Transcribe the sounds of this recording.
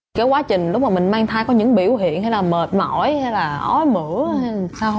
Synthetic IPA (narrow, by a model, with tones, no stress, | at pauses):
kaː˨˦kwaː˨˦t͡ɕï˨˩ŋ̟lʊ˦˥k͡p̚ma˨˩mï˨˩ŋ̟maː˧ŋt̪ʰaː˧jkɔ˨˦ɲɨ̰˧˥ŋɓḭ˧˩əwɦḭ˧˨ənɦa˧jlaː˨˩məː˨˩t̚mɔ̰˧˩jhaː˧jlaː˨˩ʔɔ˨˦jmɨ̰˧˥əa˧˨saː˧w